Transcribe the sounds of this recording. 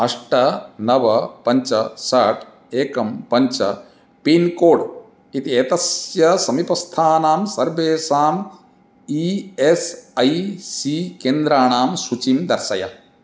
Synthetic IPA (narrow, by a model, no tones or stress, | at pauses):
ɐʂʈɐnɐʋɐpɐɲt͡ʃɐsɐʈ | eːkɐmpɐɲt͡ʃɐ̰ | piːnkoːɖ | it̪ieːt̪ɐsjɐsɐmipɐst̪ʰaːnaːmsɐɾʋeːsaːm | iesɐjsikeːnd̪ɾaːɳaːmsut͡ʃind̪ɐɾsɐjɐ